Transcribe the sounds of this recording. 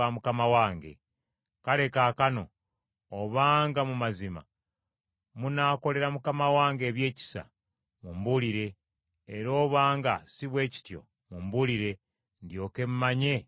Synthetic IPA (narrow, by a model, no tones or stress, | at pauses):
amukamawaːŋɡe̞̰ | kale̞kakano̞̰ | oβaːŋɡamumazima̰ | munaːko̞le̞ɾamukamawaːŋɡe̞ːβje̞ːci̥sa̰ | mumbuliɾe̞ː | ɾo̞ːβaːŋɡasiβwe̞ːci̥tjo̞̰ | mumbuliɾe̞ | ndjo̞ːke̞mumaɲe̞